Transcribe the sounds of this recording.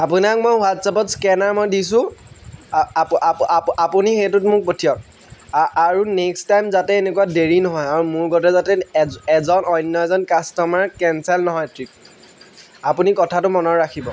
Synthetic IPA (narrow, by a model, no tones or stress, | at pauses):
apunak̚mojxuɦatsapɔtskɛnaɹmojdis̬ʊ̃ | apunixejtʊtmʊk̚potʰijɔk̚ | aɹunekstajmzatɛenekuwadeɹinɔɦɔjaɹumʊɹɡɔtɛzatɛɛzɔnɔjnːɔɛzɔnkastɔmaɹkɛnsɛlnɔɦɔjtʰɹip̚ | apunikɔtʰatʊmɔnɔɹakʰibɔ